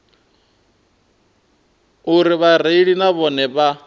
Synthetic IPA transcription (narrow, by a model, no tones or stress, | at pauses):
uɾiβaɾ̤eiɺinaβɔnɛβa